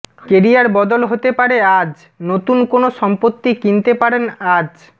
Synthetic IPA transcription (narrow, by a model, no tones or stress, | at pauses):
keɾiaɾbɔd̪olɦot̪epaɾead͡ʑ | not̪unkonoʃɔmpot̪ːikint̪epaɾenad͡ʑ